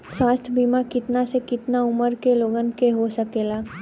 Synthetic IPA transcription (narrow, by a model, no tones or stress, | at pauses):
swaːst̪ʰəbiːmakɪt̪nasekɪt̪naʊməɾkeloːɡənkeɦosəkeːlaː